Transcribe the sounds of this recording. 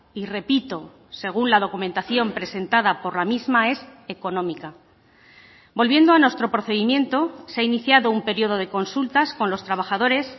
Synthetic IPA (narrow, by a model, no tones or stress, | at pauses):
ire̞pit̪o̞ | se̞ɣ̞unlaðo̞kumẽnt̪aθjo̞mpɾe̞se̞nt̪aðapo̞ɾlamizmae̞se̞ko̞nõ̞mika | bo̞lβje̞nd̪oanwe̞st̪ɾo̞pɾo̞θe̞ðimjẽ̞nt̪o̞seainiθjaðo̞umpe̞ɾio̞ð̞o̞ð̞e̞ko̞nsult̪askonlo̞st̪ɾaβ̞axaðo̞ɾe̞s